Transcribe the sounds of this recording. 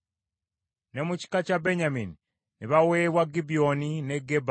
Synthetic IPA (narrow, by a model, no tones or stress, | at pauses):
ne̞muci̥kacabeɲamini | niβaweːβwaɡibionineɡeb